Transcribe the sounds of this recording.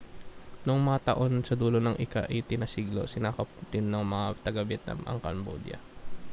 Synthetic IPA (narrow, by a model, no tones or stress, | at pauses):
noŋmɐŋat̪ɐʔo̞nsɐd̪uːlonɐŋʔɪka̰ʔɐjt̪ɪnɐsiːɡlo̞̰sɪnaːkɐp̚d̪ɪnːɐŋmɐŋat̪ɐɡɐbɛt̪nɐ̰mʔɐ̰ŋkɐ̰nbo̰d̪jɐ̰